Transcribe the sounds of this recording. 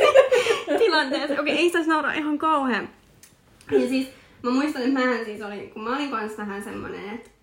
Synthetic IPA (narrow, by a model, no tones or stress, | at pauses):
t̪ilɑnt̪eːsokeiʔeisit̪æsnɑuɾɑ̰ʔihɑŋkɑuheːmp | jɑsiːt̪ | mæmuist̪ɑnet̪mæːhænsiːt̪oliŋkummæoliŋkɑnst̪æɦænsemːo̰nḛnet̪